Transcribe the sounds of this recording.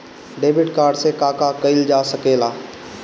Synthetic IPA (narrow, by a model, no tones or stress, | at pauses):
ɖeːbɪʈkaːɾɖsekaːkakəɪld͡ʒaːsəkeːlaː